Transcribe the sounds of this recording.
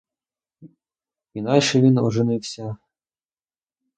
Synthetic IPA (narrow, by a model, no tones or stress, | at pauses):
inɑjʃɛʋʲinɔʒenɪwsʲɐ